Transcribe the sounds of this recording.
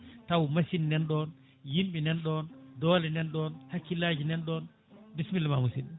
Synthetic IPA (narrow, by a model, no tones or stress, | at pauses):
tawmasinːɛnɗɔn | jimɓinɛnɗɔndɔːlɛnɛnɗɔnhakːilad͡ʒinɛnɗɔn | bismilmamusin